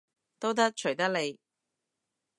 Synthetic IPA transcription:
t̪o˥wt̪ɐ˥k̚t͡ʃʰɵ˨˩ɥt̪ɐ˥k̚le˨˧j

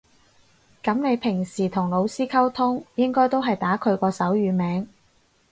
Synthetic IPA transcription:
kɐ˨˥mne˨˧jpʰɪ˨˩ŋsiː˨˩t̪ʰʊ˨˩ŋlo˨˧wsiː˥kʰɐ˥wt̪ʰʊ˥ŋjɪ˥ŋkɔː˥jt̪o˥wɦɐ˨jt̪aː˨˥kʰɵ˨˧ɥkɔː˧sɐ˨˥wjyː˨˧mɛː˨˥ŋ

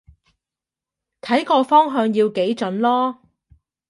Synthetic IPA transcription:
t̪ʰɐ˨˥jkɔː˧fɔː˥ŋɦœː˧ŋjiː˧wke˨˥jt͡sɵ˨˥nlɔː˥

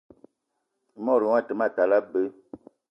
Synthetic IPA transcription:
mɔ˦˨ɾu˨wa˦˨tə˨ma˦˨ta˨la˦bə˦

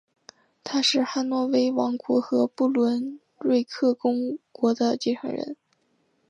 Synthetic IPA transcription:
t̪ʰa˥ʂɻ̩˥˧xa˥˧nwɔ˥˩we˥ɪwɑ˧˥ŋkwɔ˧˥xɤ˧˥pu˥˩lwə˧˥n | ɻe˥˧ɪkʰɤ˥˩kʊ˥ŋkwɔ˧˥d̪ə˧t͡ɕi˥˩ʈ͡ʂʰɑ̰˧˥ŋɻə̰˧˥n

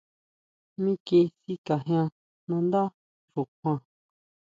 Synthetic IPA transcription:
mĩ˦ki˧si˦ka˨ɦj̃ã˧ | nã˧nd̪a˦ | ʐu˨kʷã˧

